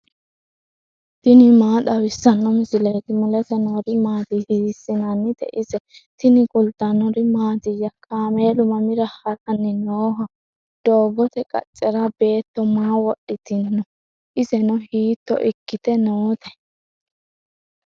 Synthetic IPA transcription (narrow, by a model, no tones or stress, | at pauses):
t̪ɪnɪmaːɗɐwɪsːɐnːɔmɪsɪlet̪ɪmʊlɛt̪ɛnɔɾɪmaːt̪ɪhiːsːɪnɐnːɪt̪ɛ̰ʔɪzɛt̪ɪnɪkʼʊlt̪ːɐnɔɾɪmaːt̪ɪjɐkʰaːmeːlʊmɐmɪɾɐhɐɾɐnːɪnoːɦɐ | d̪̥oːɡɔt̪ɛkʼɐ̰t͡ʃʼːɛɾɐbe̞ːt̪ːɔmaːwɔɗɪt̪ɪnːɔ | ʔɪzɛnɔhiːt̪ːɔ̰ʔɪkːɪt̪ɛnot̪ɛ